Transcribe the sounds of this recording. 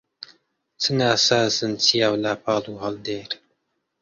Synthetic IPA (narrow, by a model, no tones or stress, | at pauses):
t͡sʰɨnaːsaːzɨnt͡sʰijaːwlaːpʰɑːluːhɑld̪eːɾ